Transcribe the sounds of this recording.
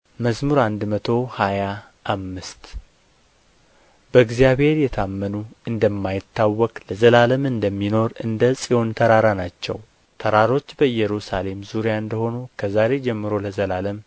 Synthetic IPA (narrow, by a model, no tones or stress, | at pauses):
məzmuɾand̪mət̪ʰo̞haja | ʔːmːɨst̪ | bəɨɡzijaβhe̞ɾjɛt̪ʰamːənuɨnd̪əmːajɪt̪ːawːɔkʼləzəlaləmɨnd̪əmːino̞ɾɨnd̪əsʼiho̞nt̪ʰəɾaɾanat͡ʃːɛ̰w | t̪ʰəɾaɾo̞t͡ʃːbəɨjɛɾusale̞mzuɾijaɨnd̪əho̞nukʰəzaɾe̞d͡ʒɛmːɨɾo̞ləzəlaləm